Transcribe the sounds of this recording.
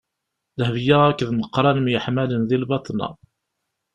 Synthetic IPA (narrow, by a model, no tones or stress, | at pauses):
ðəhvjaʁækːðməqːɾˤɑnəmjəħmælənðilbɑt̪ˤnɑ̰